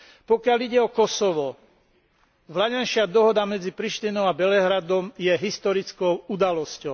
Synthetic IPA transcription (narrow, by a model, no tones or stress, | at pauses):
pɔkɪaliɟɛɔkɔsɔʋɔ | ʋlaɲɛnʃɪad̪ɔɦɔd̪amɛd͡zipɾiʃt̪inɔʊabɛlɛɦɾad̪ɔmjɛɦist̪ɔɾit͡skɔʊud̪alɔscɔʊ